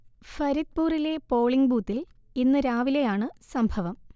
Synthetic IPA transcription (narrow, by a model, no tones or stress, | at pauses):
fɐɾit̪̚puːrile̞po̞ːɭiŋɡbuːt̪ːil | inːɨɾaːʋile̞jaːɳɨsɐmbʱɐʋɐm